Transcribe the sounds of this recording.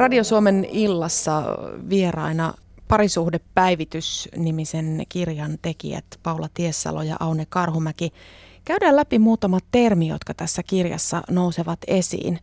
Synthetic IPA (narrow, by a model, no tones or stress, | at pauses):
rɑdiosuomenilːɑsːɑʋierɑ̰inɑpɑɾisuhdepːæiʋit̪ysnimisenkirjɑnt̪e̞kḭæ̰t̪pɑulɑt̪iesːɑ̰lojɑ̰ʔɑunekɑrɦumæki | kæydæːlæpimuːt̪ɑmɑt̪termijo̰t̪kɑt̪æsːækirjɑ̰sːɑ̰nouseʋɑt̪esḭːn